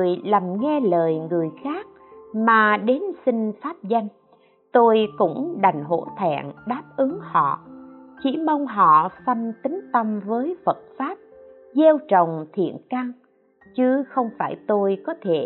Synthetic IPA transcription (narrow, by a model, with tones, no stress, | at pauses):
əjla˨˩mŋɛ˧ləː˨˩jŋɨ˨˩əjxaː˦˥k̚maː˨˩ɗe˨˦nsï˧ŋ̟faː˦˥p̚za˧jŋ̟ | t̪o˧jkʊ̰˧˥ŋ͡mɗa˨˩jŋ̟ɦo̰˧˥t̪ʰa̰ː˧˨nɗaː˦˥p̚ʔɨ˨˦ŋhɔ̰˧˨t͡ɕḭ˧˥mə˧wŋ͡mɦɔ̰˧˨sa˧jŋ̟t̪ï˨˦ŋ̟t̪ə˧mvəː˨˦jfə˨˩t̚faː˦˥p̚ | ze˧wt͡ɕə˨˩wŋ͡mt̪ʰḭ˧˨ənka˧ŋ | t͡ɕɨ˨˦xə˧wŋ͡mfaː˧˩jt̪o˧jkɔ˨˦t̪ʰe˧˩